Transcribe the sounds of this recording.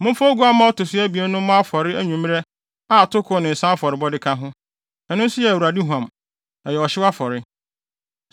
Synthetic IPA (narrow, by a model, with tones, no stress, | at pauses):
mʊ̃˦fo˦ɡu˦a˦mã˦ɔ˦tʊ˨sɪ˦æ˦bi˨ɛ˦nʊ̃˦mã˦a˦fɔ˨ɾɪ˦æ˦ɲũ˨m˦ɛ˦ | a˦˨tʰʊ˦kʰʊ˨˦nɪ̃˨n̩˨sã˦fɔ˨ɾɪ˨bɔ˦dɪ˦kʰã˦ɦʊ̃˦ | ɛ˨nʊ̃˦n˦sʊ˦jɛ˨æ˨wu˨ɾa˨di˦ɦũ˨ã˨m | a˨jɛ˨ɔ˨ɕɪ˦wa˦fɔ˨ɾɪ˦